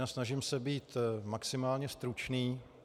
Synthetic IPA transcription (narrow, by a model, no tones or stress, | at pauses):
aːsnaʒɪmsɛbiːt̪maksɪmaːlɲɛst̪ɾut͡ʃniː